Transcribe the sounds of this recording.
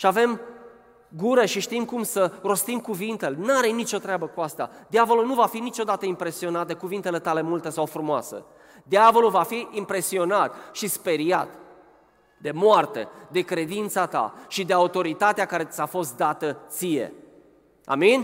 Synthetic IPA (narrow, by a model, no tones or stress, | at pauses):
ʃiave̞m | ɡuɾeʃiʃt̪imkumsəɾo̞st̪imkuvint̪e̞lenaɾenit͡ʃo̞t̪ɾeabəkuast̪a̰d̪iavo̞lunuvafinit͡ʃo̞d̪at̪əimpɾe̞sio̞nat̪̚d̪e̞kuvint̪e̞le̞t̪ale̞mult̪e̞sawfɾumoa̰sə̰ | d̪iavo̞lulvafiʔimpɾe̞sio̞nat̪ʃispe̞ɾia̰t̪ | d̪e̞moart̪e̞̰d̪e̞kɾe̞d̪int̪sat̪a̰ʃid̪eaut̪o̞ɾit̪at̪eakaɾe̞safo̞st̪̚d̪at̪ət̪sije̞̰ | a̰minʲ